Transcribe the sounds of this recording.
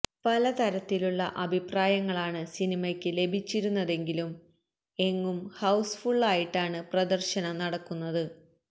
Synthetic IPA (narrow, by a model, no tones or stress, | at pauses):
pɐlɐt̪ɐɾɐt̪ːiluɭːɐʔɐbʱipraːjɐŋːɐɭaːɳɨsinimɐkʲːɨle̞bʱit͡ɕːiɾunːɐðe̞ŋɡilum | e̞ŋːumhɐwsfuɭːaːjiʈːaːɳɨprɐd̪ɐrɕɐnɐnɐɽɐkːunːɐðɨ